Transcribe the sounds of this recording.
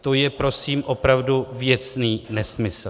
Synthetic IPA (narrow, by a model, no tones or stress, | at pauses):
t̪o̞jɛpɾo̞siːmʔo̞pɾavduvjɛt͡sniːnɛsmɪs